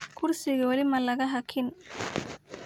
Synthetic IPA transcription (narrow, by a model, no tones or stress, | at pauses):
kʰʊrsɪɣɐwɐlɪmɐlɐɣɐɦɐkʰɪn